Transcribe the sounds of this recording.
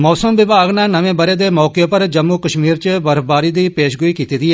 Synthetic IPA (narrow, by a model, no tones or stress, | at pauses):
mɔːsəmʋɪbaːɡnãːnəʋẽːbəɾeːd̪eːmɔːkepəɾd͡ʒəmːuːkəʃmiːɾt͡ʃəbəɾfbaːɾiːd̪iːpeːʃɡʊiːkiːt̪iːd̪iːɛ